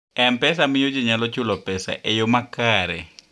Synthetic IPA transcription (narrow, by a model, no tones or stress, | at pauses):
ɛmpɛs̬amɪjod͡ʒɛɲalɔt͡ʃulɔpɛsa̰ʔɛjomakaːɾɛ̰